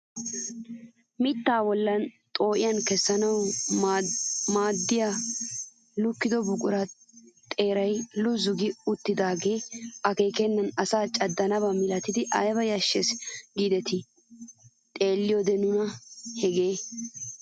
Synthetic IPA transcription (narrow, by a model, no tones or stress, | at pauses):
mɪt̪ːaːwɔlːɐn | t̪ʼo̞ːʔɪjɐnkɛsːɐnɐw | maːd̪ːɪja | lʊkːɪd̪ɔbʊkʼʊɾɐ | t̪ʼe̞ːɾɐjlʊzʊɡɪʊt̪ːɪd̪aːɡe̞ːɐke̞ːkɛnːɐnɐsaːt͡ʃʼɐd̪ːɐnɐbɐmɪlɐt̪ɪd̪ɪʔɐjbɐjɐʃːesɡiːd̪ɛt̪ɪ | t̪ʼe̞ːlːɪjɔd̪ɛnʊnɐhɛɡeː